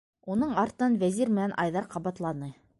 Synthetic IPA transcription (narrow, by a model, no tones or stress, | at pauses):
unɤɴɑɾt̪ɤnvæziɾmɘ̆nænʔɑ̰jðɑɾqɑβɑt̪lˠɑnɤ